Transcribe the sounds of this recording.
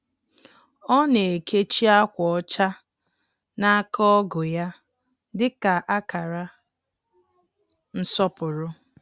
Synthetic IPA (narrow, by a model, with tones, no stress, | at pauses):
ɔ˦ne˨kʰe˦t͡ʃi˦a˦kʷɔ˨ɔ˦t͡ʃa˦ | na˦a˦kɔ˦ɡʊ˨ja˦ | dɪ˦ka˨ʔa˦ka˨ɾa˦ | n̩˦sɔ˦pʊ˨ɾʊ˦